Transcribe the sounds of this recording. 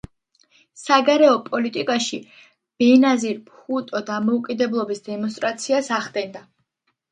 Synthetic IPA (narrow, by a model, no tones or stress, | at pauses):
saɡaɾɛɔpʼɔlit̪ʼikʼaʃi | b̥ɛnaziɾpχut̪ʼɔd̪amɔukʼid̪ɛblˠɔbisd̪ɛmɔns̬t̪ʼɾat̪sʰiasaʁd̪ɛnd̪a